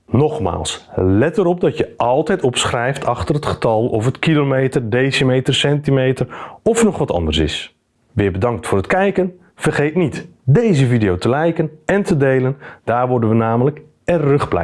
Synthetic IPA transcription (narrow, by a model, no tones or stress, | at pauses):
nɔχma̰ːlˠslɛtəɾɔp̚dɑtjəʔɑlˠtɛjtɔpsχrɛjftʰɑχtərɦətχə̥tɑlˠɔfətkilomejtərdejsimejtərsɛntimejtərɔfnɔχʋɑtɑ̰ndərsɪ̰s | ʋɪːɹbədɑŋk̚tfʊːrətkɛjkən | v̥ərχejtnitdejzəvidijowtəlɛjkənɛntədejləndaːɹʋɔɹdənʋənaːmələk | ɛrɵχblɛ̰